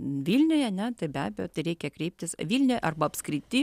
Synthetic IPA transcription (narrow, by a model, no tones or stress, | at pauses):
ʋʲilʲnʲoːjɐnʲɛt̪ɐɪbʲæːbʲejoːt̪ɐɪɾʲɛɪkʲɛkɾʲɛɪp̚ʲt̪ʲɪsʋʲiːlʲnʲoːjʔɐrbɐɐpskɾʲɪt̪ʲɪ